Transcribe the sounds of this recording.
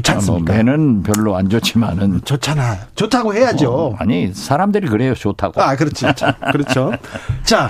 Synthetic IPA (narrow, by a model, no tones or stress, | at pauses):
t͡ɕʰaomenɯnpjʌɭːoand͡ʑot͡ɕʰimanɯnt͡ɕot͡ɕʰanajot͡ɕotʰaɡohejad͡ʑoa̰ɲisʰaɾamdɯɾikɯɾe̞jot͡ɕotʰaɡ̥oakɯɾʌt͡ɕʰit͡ɕʰokɯɾʌt͡ɕʰot͡ɕa